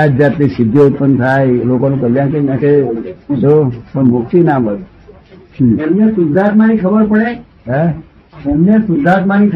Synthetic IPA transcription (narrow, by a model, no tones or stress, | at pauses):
ad͡ʒat̪lisid̪ʱjout̪̚pənt̪ʰajlokonũkəljãkeãket̪opəɳmuk̚t̪inamət̪ | emnẽsud̪ʱat̪manikʰəbəɾpəɽe | ɦɛ | emnesud̪ʱat̪manikʰ